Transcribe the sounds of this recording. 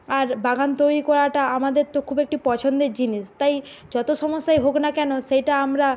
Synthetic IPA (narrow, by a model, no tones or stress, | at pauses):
aɾbaɡant̪ojɾikɔɾaʈaamad̪eɾt̪okʰubek̚ʈipɔt͡ɕʰond̪eɾd͡ʑiniʃt̪ajd͡ʑɔt̪oʃɔmoʃːajɦoknakɛnoʃejʈaamɾa